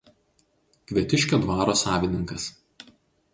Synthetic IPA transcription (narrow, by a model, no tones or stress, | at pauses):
kʲʋʲiɛt̪ʲɪʃʲkʲod̪ʋɑːɾoːsɑːʋʲɪnʲɪŋkɐs